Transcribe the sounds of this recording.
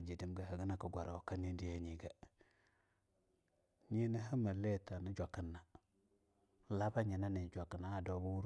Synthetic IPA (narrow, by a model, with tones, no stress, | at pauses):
d͡ʒi˨di˨mɡa˨ɦa˨ɡi˦na˨ka˨ɡʷa˨ɾa˨wka˦ni˦di˦je˦ɲi˨ɡa˨ | ɲi˦ni˦ɦa˦ma˨le˦˨ta˨ni˦d͡ʒʷa˨ki˨nːa˨ | la˦ba˦ɲi˨na˦ni˨d͡ʒʷa˨kːi˨na˦a˨do˦bu˦wu˦ɾ